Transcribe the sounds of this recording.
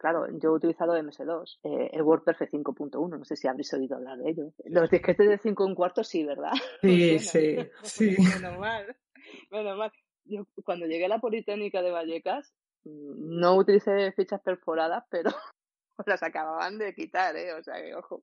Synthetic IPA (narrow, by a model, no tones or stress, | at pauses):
klaɾo̞̰ɟ͡ʝo̞ut̪iliθaðoeme̞se̞ðo̞sḛḛlɣwo̞ɾpeɾfe̞θiŋko̞punt̪o̞unono̞se̞siaβɾesoiðoa̰β̞laɾðe̞ʎo̞lo̞zðihkest̪e̞zðeθiŋkouŋkwaɾt̪o̞siβ̞e̞ɾð̞a̰sisisimenomal | me̞nomal | ɟ͡ʝo̞kwand̪oʝe̞ɣ̞e̞alapo̞lit̪eɣnikað̞e̞β̞aʎe̞kas | no̞ut̪iliθe̞fit͡ʃaspe̞ɾfo̞ɾaðaspe̞ɾo | lasakaβaβa̰nd̪e̞kit̪aɾe̞o̞sea̰ke̞̰o̞xo